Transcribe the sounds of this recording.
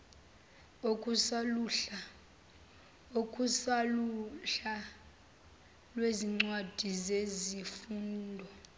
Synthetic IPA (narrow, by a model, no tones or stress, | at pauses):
okʼuslua | okʼusaluɬa | lweziŋ͡ǀwad̥ʱizezifuːndʱɔ